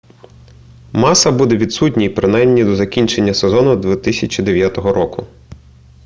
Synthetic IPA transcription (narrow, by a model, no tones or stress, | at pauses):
mɑsɐbud̪ɛʋʲid̪sutʲnʲijpɾɪnɑjmnʲid̪ɔzɐkʲinʲt͡ʃe̞nʲːɐsezɔnʊd̪ʋʲit̪isʲɐt͡ʃʲid̪eʋʲjat̪ɔɦɔɾɔkʊ